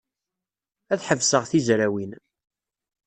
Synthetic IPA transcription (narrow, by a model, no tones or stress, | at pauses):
æθħəvsəʁθizɾæwin